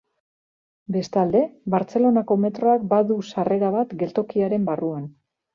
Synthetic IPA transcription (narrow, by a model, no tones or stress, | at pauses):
be̞st̪ald̪e̞βaɾt͡se̞lo̞nako̞me̞t̪ɾo̞ak̚baðusare̞ɾaβ̞at̪ɡe̞lt̪o̞kiaɾe̞mbaruan